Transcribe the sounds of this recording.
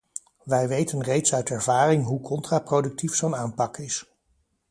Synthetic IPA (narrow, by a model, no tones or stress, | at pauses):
ʋɛjʋejtənrejtsœɥtɛɹvaːrɪŋɦukʰɔntraprowdɵk̚tifsownaːmpɑkɪs